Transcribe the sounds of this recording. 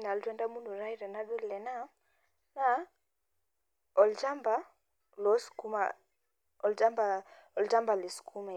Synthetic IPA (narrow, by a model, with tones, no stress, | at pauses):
na˨ltwɛ˦nda˦mu˦ndu˨ɾa˦i˦ɾɛ˨na˦ɗu˦llɛ˨na˦ | na˦ | ɔ˨lt͡ʃa˦mba˦ | lɔ˨˦sku˦ma̰ | ɔ˨ld͡ʒa˦mba˨ɔ˨lt͡ʃa˦mba˨li˨su̥˨kʰu˦ma˨